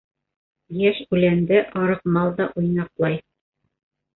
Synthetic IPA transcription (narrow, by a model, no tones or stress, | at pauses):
jæʃʉlænd̪ɘʔɑɾɤ̆qmɑlˠd̪ɑʔujnɑqlˠɑj